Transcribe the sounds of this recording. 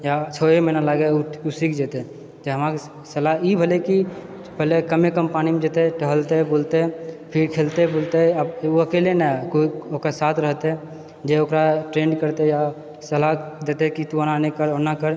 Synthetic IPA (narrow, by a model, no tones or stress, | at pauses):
jat͡ʃʰoemənalaɡeusikd͡ʒet̪e | d͡ʒeɦəmak | səlaibʱəleki | pəlekəmekəmpaːnimed͡ʒet̪eʈəɦəlt̪eboːlt̪epʰɪɾkʰeːlt̪eboːlt̪eəboəkeːlenakokesaːt̪ʰɾəɦt̪ɛ̃ | d͡ʒeokɾaʈɾẽːɳɖkəɾt̪eja | səlad̪eːt̪ekit̪uənanekəɾɔnakəɾ